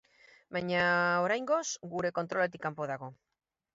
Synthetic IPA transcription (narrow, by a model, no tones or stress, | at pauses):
bajɲaoɾajŋɡo̞sɡuɾe̞ko̞nt̪ɾo̞le̞t̪̬ikːampo̞ðaɣ̞o̞